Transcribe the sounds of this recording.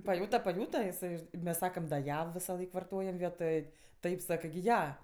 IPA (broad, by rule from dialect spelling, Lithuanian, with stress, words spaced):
pɐˈjuːtɐ pɐˈjuːtɐ ɪˈsɐɪ mʲɛs ˈsɑːkɐm dɐ ˈjɛ ʋʲɪsɐˈlˠɐɪk ʋɐrˈtoːjɛm ˈʋʲiɛtoːj ˈtɐɪp ˈsɑːkɜ ɡʲɪ ˈjɛ